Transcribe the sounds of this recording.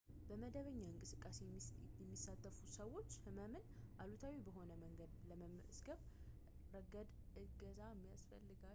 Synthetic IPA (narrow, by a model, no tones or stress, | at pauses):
b̥əməd̪əβəɲːaɨŋkʼɨsɨkʼːasejɛmːisːat̪ʰːəfusəwo̞t͡ʃːhɨməmɨnʔalut̪ʰawibəɦo̞nəməŋɡəd̪ləməmə̰ʔsɡəβ | ɾəɡəd̪ | ʔɨɡəzamːijasfə̰lːɨɡa